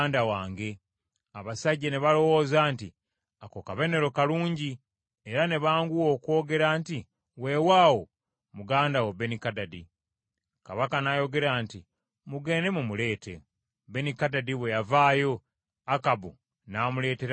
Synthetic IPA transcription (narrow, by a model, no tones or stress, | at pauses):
ndawaːŋɡe̞ | aβasaɟːeneβalo̞wo̞ːzaːnti | akokaβe̞ne̞ɾo̞kaluːɲɟi | eɾane̞βaːŋɡuwo̞ːkwo̞ːɡe̞ɾaːnti | we̞ːwaːwo̞ | muɡaːndawebe̞nikadadi | kaβakanajo̞ɡe̞ɾaːnti | muɡe̞ːne̞mumule̞ːte̞ | benikadadiβwe̞javaːjo̞ | akabṵ | naːmule̞ːteɾ